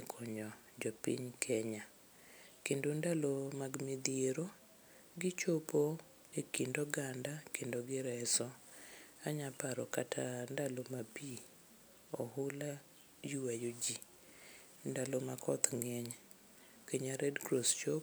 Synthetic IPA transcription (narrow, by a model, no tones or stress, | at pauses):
kʰɔɲɔ | d͡ʒɔpḭɲkʰɛɲa | kendondalomaɡmid̪jeɾo | ɡɪt͡ʃopo | ekindoɡandakendoɡɪɾɛsɔ | aɲapaɾɔkatʰandalomapi | ɔhʊla | juwajod͡ʒi | ndalomakʰɔt̪ŋɛɲ | keɲaɾɛdkɾost͡ʃop